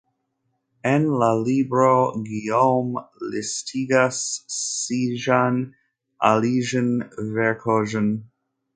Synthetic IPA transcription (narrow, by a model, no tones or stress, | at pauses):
ɛ̃nlalibɹoɡiomlɪstʰiɡasː | iʒan | ʔa̰liʒə̃nvɛɹkʰoʒə̃n